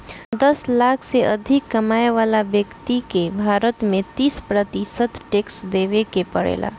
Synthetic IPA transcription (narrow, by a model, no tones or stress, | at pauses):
d̪ɐslaːkʰseʔɐd̪ʱɪkːɐmaːeʋaːlabjəkt̪ikebʱaːɾət̪mẽt̪iːspɾət̪isət̪ʈeːksd̪eːʋekepɐɽḛːla̰ː